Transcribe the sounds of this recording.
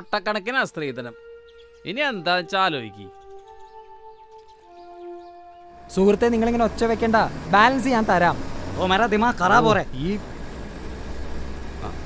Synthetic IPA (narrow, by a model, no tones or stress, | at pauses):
ʈːɐkːɐɳɐk̬ʲːinast̪riːd̪ɐnɐm | iniend̪aːt͡ɕaːloːjḭkʲːḭ | suːkrɐt̪ːeniŋːɐɭeŋːɡineot͡ɕːɐʋekʲːeːɳɖabaːlɐns̬ɨɲaːnt̪ɐɾaːmoːmɐɾad̪imaːkɐraːpoːreiː | a̰